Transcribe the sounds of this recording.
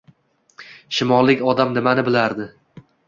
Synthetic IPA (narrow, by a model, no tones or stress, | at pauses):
ʃɪmɒlːɪkʲɒd̪amnɪmanɪbɪlaɾd̪ɪ